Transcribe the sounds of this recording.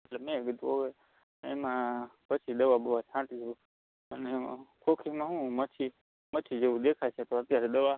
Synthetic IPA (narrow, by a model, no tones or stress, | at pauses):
mət̪ləbmẽɡid̪uɦoʋe | emãpət͡ʃʰid̪əʋabəʋat͡ʃʰãʈit͡ʃʰu | ənemãkʰokʰimãɦũmət͡ʃʰi | mət͡ʃʰid͡ʒeʋũd̪ekʰat͡ʃʰet̪oət̪jaɾed̪əʋa